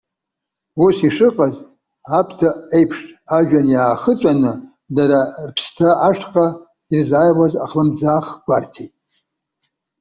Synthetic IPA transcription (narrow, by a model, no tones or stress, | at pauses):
usiʂɨqʼaz | apʰtʰaejpʰʂʼaʒᶣanjaːχət͡sʷʼanɨ | daɾarpʰstʰaaʂqʼa | irzajwaza̰χlɨmd͡zaχɡʷartʰetʼ